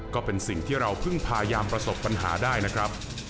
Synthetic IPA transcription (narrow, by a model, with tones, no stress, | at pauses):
kɔː˥˩pe˧nsi˨˩ŋt̪ʰiː˥˩ɾa˧wpʰɯ˥˩ŋpʰaː˧jaː˧mpɾa˧so˨˩pːa˧nɦa̰ː˩˦daː˥˩jna˦˥kʰɾa˦˥p̚